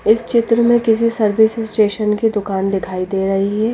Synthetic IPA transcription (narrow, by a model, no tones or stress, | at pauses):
ɪst͡ʃɪt̪ɾəmẽkɪs̬isɐɾʋɪsɪssʈeːʃənkid̪ʊkaːnd̪ɪkʰaːid̪eːɾɐɦiɦɛː